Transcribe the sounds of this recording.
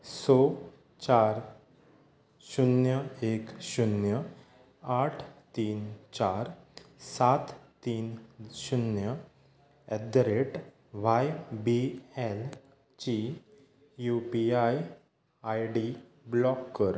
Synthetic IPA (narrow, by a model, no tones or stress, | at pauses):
so | t͡ɕaɾ | ɕunjəekɕunjə | aʈʰt̪iːnt͡ɕaɾsat̪t̪iːnɕunjə | ɛd̪ɾeʈ | ʋajbiɛl | t͡ɕi | jupiaj | ajɖi | blɔkːəɾ